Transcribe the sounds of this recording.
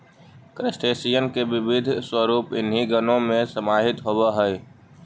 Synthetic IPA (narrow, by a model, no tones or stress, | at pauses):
kɾesʈeːsijənkebɪbɪd̪ʱswəɾuːpɪ̰nɦiɡənõmẽsəmaːɦɪt̪ɦobaɦɛ